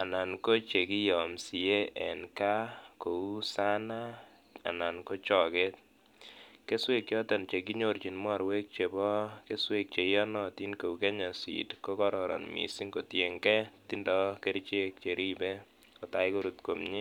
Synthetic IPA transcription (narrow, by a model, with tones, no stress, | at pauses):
a˨na˨nko˦t͡ʃe˨ki˦jɔ˨msi˨je˦ʔɛ˨nka˦ko˨u˦sa˦na˦ | a̰˨na˨nko˦t͡ʃɔ˨ke˦t̚ | ke˦swe˦k̚t͡ʃɔ˦tɔ˨nt͡ʃe˨k̬i˦ɲo˨ɾt͡ʃi˨nma˦˨ɾwe˦k̚t͡ʃe˨bɔ˦ke˦swe˦˨k̚t͡ʃe˨jɔ˦nɔ˨ti˦nko˨u˨kɛ˦ɲa˨sḭ˨tko˦kɔ˦ɾɔ˨ɾɔ̰˨nmḭ˨si˦ŋko˨tje˨ŋkɛ˦ti˦ndɔ˦ke˦ɾt͡ʃe˦k̚t͡ʃe˨ɾʔi˦bɛ˦ | kɔ˨ta˨jko˦ɾu˨tko˨mɲi˦